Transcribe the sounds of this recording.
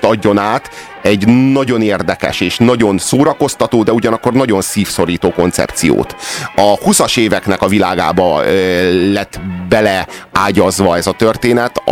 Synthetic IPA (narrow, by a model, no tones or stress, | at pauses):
ɒɟːo̞naːt̪ | ɛɟnɒɟo̞neːrd̪ɛkɛ̰ʃeːʃnɒɟo̞nsoːɾɒko̞st̪ɒt̪oːd̪ɛuɟɒnɒkːo̞rnɒɟo̞nsiːfso̞ɾiːt̪oːko̞nt̪sɛ̰p̚t̪sijo̰ːt̪ɒhusɒʃeːvɛknɛkɒvilaːɡa̰ːbɒ | lɛt̪ːbɛlɛaːɟɒzʋɒɛzɒt̪ørt̪eːnɛt̪